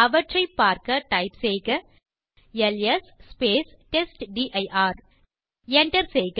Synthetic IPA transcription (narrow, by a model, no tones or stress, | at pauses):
ɐʋɐʈrɐɪpːaːɾkɐʈɐɪpsejɣɐ | ɛlesːpeːs | ʈesʈɖiʔɐɪʔaːɾ | ɛɳʈɐɾseːjk